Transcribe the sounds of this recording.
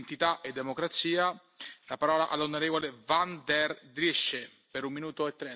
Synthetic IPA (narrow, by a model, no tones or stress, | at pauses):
nt̪it̪aʔed̪ːemokɾat̪siːa | lapaɾɔːlaʔalːonoɾeːvolevand̪ɛrd̪ɾiʃːe | peɾumːinuːt̪oet̪ːɾɛ